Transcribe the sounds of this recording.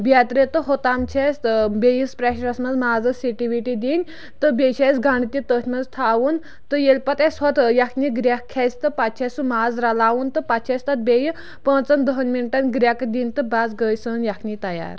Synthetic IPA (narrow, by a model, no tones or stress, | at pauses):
bʲat̪ɾet̪əɦot̪amt͡ɕʰesbʲejispɾaɕɾasmɐd͡zmaːd͡zəsiʈiʋiʈid̪inʲ | t̪əbʲeɕʰajsɡaɳt̪ʲit̪ət̪ʲʰmɐzt̪ʰaaːʋun | t̪əjelpat̪asʋɔt̪jakʰnʲiɡɾʲakʰːajst̪əpat̪̚t͡ʃʰasumad͡zɾalaːʋunt̪əpat̪t͡ʃʰast̪at̪̚bʲeji | pət͡sɐnd̪əɦənminʈanɡɾʲakd̪inʲt̪ɨbad͡zɡəjsənjakʰnʲit̪ɐja̰ɾ